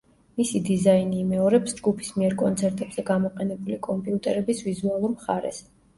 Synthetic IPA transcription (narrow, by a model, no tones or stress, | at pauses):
misid̪izainiːmɛɔɾɛpsd͡ʒɡupʰi̥smiɛɾkʼɔnt̪sʰɛɾt̪ʼɛbz̥ɛɡamɔqʼɛnɛbulikʼɔmpʼiut̪ʼɛɾɛbisvizualˠuɾmχaɾɛ̰s